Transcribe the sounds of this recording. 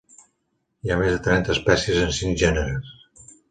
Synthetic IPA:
iamezðət̪ɾɛnt̪əːspɛsiəzənsiŋʒɛnəɾəs

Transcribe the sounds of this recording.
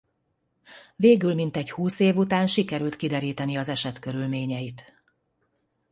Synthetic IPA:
veːɡylmint̪ɛɟhuːseːvut̪aːnʃikɛɾylt̪kid̪ɛɾiːt̪ɛniɒzɛʃɛt̪køɾylmeːɲɛjit̪

